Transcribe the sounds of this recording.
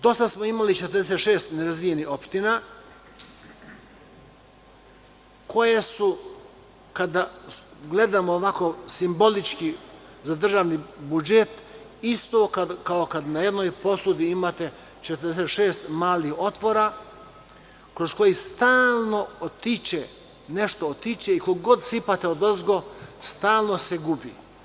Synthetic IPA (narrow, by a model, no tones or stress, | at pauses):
d̪o̞st̪asmoimalit͡ʃet̪ɾd̪eset̪ʃeːst̪neɾazʋijeniho̞pʃt̪ina | kʰo̞jesu | kad̪aɡle̞d̪amoːʋako̞simbo̞lit͡ʃki | zad̪r̩ʒaːʋnibud͡ʒet̪ | ist̪okakaokad̪najed̪noːjpo̞sud̪iimat̪e̞ | t͡ʃet̪ɾd̪eset̪ʃeːst̪maːliho̞t̪ʋo̞ɾa | kɾosko̞jist̪aːlˠno̞ot̪it͡ʃe | neʃt̪oot̪it͡ʃeikoɡo̞d̪sipat̪eod̪ozɡo̞st̪aːlˠno̞seɡubḭ